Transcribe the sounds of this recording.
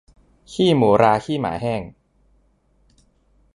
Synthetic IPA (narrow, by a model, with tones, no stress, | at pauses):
kʰiː˥˩muː˩˦ɾaː˧kʰiː˥˩ma̰ː˩˦ɦɛː˥˩ŋ